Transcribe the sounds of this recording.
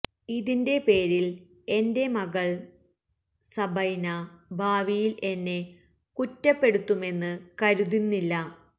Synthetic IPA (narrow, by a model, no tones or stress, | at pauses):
iðinde̞pe̞ːɾil | e̞nde̞mɐɣɐɭ | sɐbɐjnɐbʱaːʋijilʔe̞nːe̞ | kutːɐpːe̞ɽut̪ːume̞nːɨkɐɾuðinːilːɐ